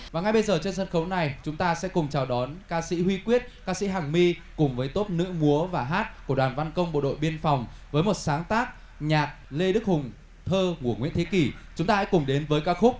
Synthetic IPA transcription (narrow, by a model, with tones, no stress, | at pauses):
vaː˨˩ŋa˨˧jɓə˧jzəː˨˩t͡ɕe˧nsə˧nxə˨˦wna˨˩jt͡ɕʊ˨˦ŋ͡mt̪aː˧sɛ̰˧˥kʊ˨˩ŋ͡mt͡ɕaː˨˩wɗɔ˨˦nkaː˧sḭ˧˥hwi˧kwi˦˥ət̚kaː˧sḭ˧˥ɦaː˨˩ŋmi˧kʊ˨˩ŋ͡mvəː˨˦jt̪o˦˥p̚nɨ̰˧˥mu˨˦əvaː˨˩ɦaː˦˥t̚ku˧˩əwaː˨˩nva˧nkə˧wŋ͡mɓo̰˧˨ɗo̰˧˨jɓi˧ənfa˨˩wŋ͡mvəː˨˦jmo˨˩t̚saː˨˦ŋt̪aː˦˥k̚ | ɲaː˨˩t̚le˧ɗɨ˦˥k̚hʊ˨˩ŋ͡m | t̪ʰəː˧ŋu˧˩əŋwḭ˧˥nt̪ʰe˨˦ki˧˩t͡ɕʊ˨˦ŋ͡mt̪aː˧sɛ̰˧˥kʊ˨˩ŋ͡mɗe˨˦nvəː˨˦jkaː˦˥k̚xʊ˦˥k͡p̚